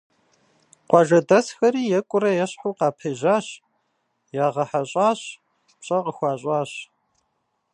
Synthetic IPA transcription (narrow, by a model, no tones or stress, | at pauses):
qʷɑʒɐdɐsxɐriːjɛkʷʼʊɾɐjɛɕħuːqɑːpʰɐːʒaːɕ | jaːʁɐħaɕʼaːɕ | pɕʼɐqəxʷɑːɕʼaːɕ